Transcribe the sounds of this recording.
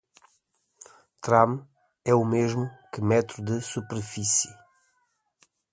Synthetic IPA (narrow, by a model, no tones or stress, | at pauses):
t̪ɾãm | ɛumeʒmukɨmɛt̪ɾud̪ɨsupeɾfisi